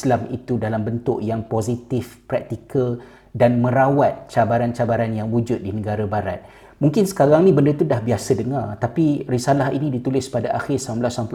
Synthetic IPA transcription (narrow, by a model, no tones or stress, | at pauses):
slamit̪udalambənt̪ʊʔjaŋpozit̪ɪfpɾak̚t̪ikəl | danmə̃ɾawat̪̚t͡ʃabaɾant͡ʃabaɾanjaŋwud͡ʒʊt̪̚dinə̃ɡaɾabaɾa̰t̪̚ | muŋkɪnsə̥kaɾaŋnĩbəndət̪udahbiasədəŋart̪apirisalaɦḭnĩdit̪ulɪspadaʔaxɪrsamblasamp